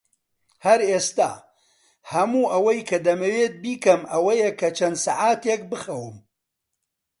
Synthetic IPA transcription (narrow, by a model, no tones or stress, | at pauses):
hɐɾeːst̪a̰ː | hɐmuːʔɐwɐjkʰɐd̪ɐmɐweːt̪̚biːkɐmɐwɐjekʰɐt͡ʃʰɐnd̪saʕaːt̪ek̚bɨxɐwɨm